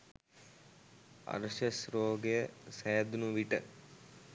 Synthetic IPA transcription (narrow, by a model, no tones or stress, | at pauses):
ɐ̰ɾʃəsɾoːɡejəsɛjad̪unuʋiʈə̰